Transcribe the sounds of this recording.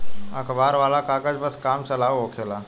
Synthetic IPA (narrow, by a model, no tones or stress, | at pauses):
əkʰbaɾʋalakakət͡sbəskamt͡səlaʋɦokʰela